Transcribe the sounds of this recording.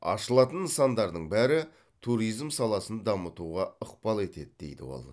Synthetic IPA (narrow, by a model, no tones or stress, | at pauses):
ɑ̰ʃəlˠɑt̪ənəsɑnd̪ɑɾd̪əɴbæɾɪ | t̪ʰuɾijzmsɑlˠɑsənd̪ɑmət̪uʁɑəqpɑlˠe̞t̪e̞d̪ɪd̪ejd̪ɪ̰wo̞̰lˠ